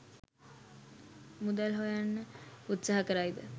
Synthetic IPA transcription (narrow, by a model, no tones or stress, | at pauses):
mud̪alɦojanːəut̪saɦakəɾajd̪ə